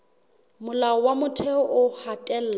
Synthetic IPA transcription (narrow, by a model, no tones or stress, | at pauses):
mʊlaɔwamʊtʰɛɔʔʊhatʼɛl̩ːla